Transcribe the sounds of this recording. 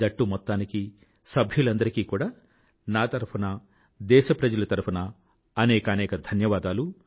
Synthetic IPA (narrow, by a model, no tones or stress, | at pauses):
d͡ʒɐʈːumɔt̪ːaːniki | sɐbʱjulɐnd̪ɐɾikiːkuːɽaː | naːt̪ɐɾpʰunɐ | d̪ɛːʃɐpɾɐd͡ʒɐlɐt̪ɐɾupʰɐnɐː | nɛːkɐːnɛːkɐd̪ʱɐnjɐʋaːd̪aːlu